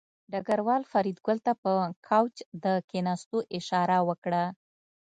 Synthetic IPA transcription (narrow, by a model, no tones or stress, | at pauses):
ɖaɡaɾwɑlfaɾid̪ɡʊlt̪apəkʰawt͡ʃd̪əkenɑst̪oʔɪʃɑɾawəkɽa